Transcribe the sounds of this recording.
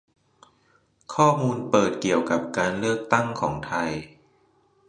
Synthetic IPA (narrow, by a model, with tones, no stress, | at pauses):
kʰɔː˥˩muː˧npɤː˨˩t̪̚ki˨˩əwka˨˩p̚kaː˧nlɯ˥˩ək̚t̪a˥˩ŋkʰɔ̰ː˩˦ŋt̪ʰa˧j